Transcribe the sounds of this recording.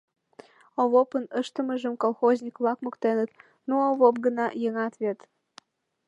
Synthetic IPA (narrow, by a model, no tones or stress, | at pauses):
oβopənəʃt̪ə̆məʒəmkolˠxozʲnʲikβlɑkmokt̪enət̪ | nooβopɡənɑjəŋɑt̪βet̪